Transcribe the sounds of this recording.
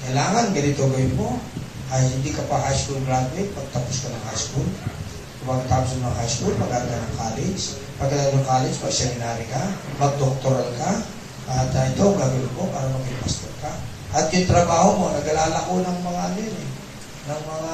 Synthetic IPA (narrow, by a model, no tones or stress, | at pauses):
kɐjlaːŋɐnɡɐnɪt̪oɡɐjʊnmo̞ | ʔɐjɪnd̪ikɐpaɦajskulɡɾad̪uɪt̪̚mɐɡ̚t̪apʊskɐnɐŋhajskul | kʊmaɡɐt̪aːpʊsɐŋmɐŋahajskulmɐɡaːɡanɐŋkaːlɛns | pɐɡ̚ɐd̪ɐnʊŋkaːlɛnsmɐɡsɛmɪnaɾɪkamɐɡ̚d̪ok̚t̪oɾalka | ʔɐt̪ɐɪt̪oɡaːɡjʊnmopaːɾɐmɐɡɪpast̪oka | ʔɐt̪jʊnt̪ɾɐbaːhomo̞nɐɡɐlaːlɐkonɐŋmɐŋalɛɾɪ | nɐŋmɐŋa